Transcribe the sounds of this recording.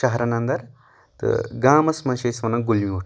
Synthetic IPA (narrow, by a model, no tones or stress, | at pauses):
ɐɦɐɾɐnɐnd̪ɐɾ | t̪ɨ̰ɡaːmɐsmɐ̃ʃɐsʋɐnɐɡulmiuʈ